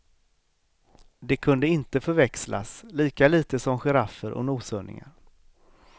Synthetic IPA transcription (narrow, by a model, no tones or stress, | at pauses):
d̪ɛkʰɵnd̪əɪnt̪əfœɾvɛksla̰sliːkaliːt̪əsɔmɧɛɾafːəɾʔɔ̰nuːsœɳɪ̰ŋa̰ɾ